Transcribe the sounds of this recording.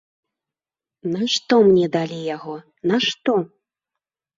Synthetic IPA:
naʂt̪ɔmnʲɛd̪alʲijaɣɔ | naʂt̪ɔ

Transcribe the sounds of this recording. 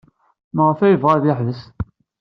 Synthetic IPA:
məʁəfæjəvʁaðjəħvəs

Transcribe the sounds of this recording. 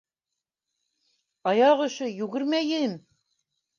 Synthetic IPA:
ɑjɑʁŏʃɤjʉɡɘ̆ɾmæjɘm

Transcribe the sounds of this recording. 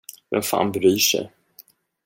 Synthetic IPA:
dɛnfa̰ːnbɾyːʂɛ̰j

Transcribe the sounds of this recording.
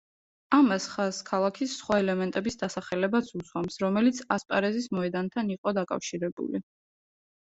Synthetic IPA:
amasχaskʰalˠakʰisːχwaɛlɛmɛnt̪ʼɛbisd̪asaχɛlɛbat̪sʰuswamsɾɔmɛlit̪sʰaspʼa̰ɾɛzismɔɛd̪ant̪ʰaniqʼɔd̪akʼa̰fʃiɾɛbṵli

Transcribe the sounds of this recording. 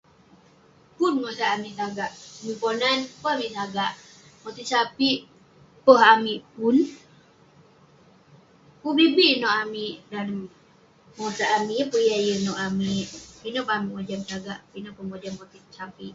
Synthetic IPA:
punmosaʔːmiʔsaɡaʔmiponanpɔhamiʔtaɡaʔ | mot̪isapiʔ | pɔɦamiʔpun | pubibiʔnɔʔamiʔdan | mosaʔamipujajənɔʔamiʔpinɔpaamiʔmod͡ʒamsaɡaʔpinɔpunbod͡ʒamkot̪isapiʔ

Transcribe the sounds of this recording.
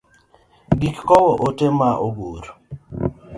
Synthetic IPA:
ɡikkɔwɔʔotemaʔoɡoɾ

